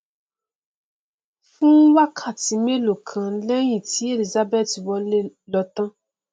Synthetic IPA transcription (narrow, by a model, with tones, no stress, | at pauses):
fũ˦wa˦kʰa˦˨ti˨˦me˦lo˨kʰã˨˦lɛ˦jĩ˦˨ti˨˦e˦˨li˨za˦bɛ˦˨ti˨wɔ˧˦llɔ˧˦tã˦